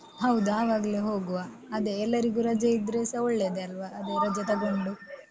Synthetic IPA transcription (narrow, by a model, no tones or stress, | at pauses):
ɦɐwd̪uaːʋaːɡɐleɦo̞ːɡuʋa | ɐd̪eːlːɐɾiɡuɾɐd͡ʒɐid̪ɾesɐoɭːe̞ːd̪eɐlʋɐʔɐd̪eɾɐd͡ʒɐt̪ɐɡo̞ɳɖu